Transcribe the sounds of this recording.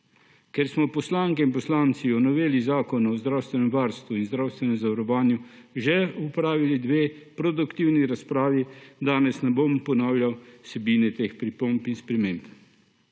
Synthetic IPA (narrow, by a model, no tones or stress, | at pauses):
kɛɾsmɔpɔslaːŋkɛinpɔslaːnt̪siɔnɔʋeːlizaːkɔnɔzd̪ɾaːwst̪ʋɛnɛmʋaɾst̪ʋuinzd̪ɾaːwst̪ʋɛnɛmzaʋaɾɔʋaːnju | ʒɛupɾaːʋilid̪ʋeː | pɾɔd̪ukt̪iwniɾaspɾaːʋid̪aːnɛsnɛbompɔnaːwljawsɛbiːnɛt̪eːxpɾipompinspɾɛmeːmp